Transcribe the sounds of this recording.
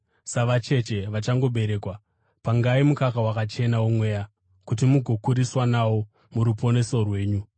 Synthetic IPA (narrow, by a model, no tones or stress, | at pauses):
saʋat͡ʃe̞t͡ʃe̞ʋat͡ʃaŋɡo̞ɓe̞ɾe̞ːkwa | paŋɡaimukakawakat͡ʃe̞nawomwe̞ja | kut̬imuɡʱo̞kuɾiswanawo̞ | muɾupo̞ne̞so̞rwe̞ːɲu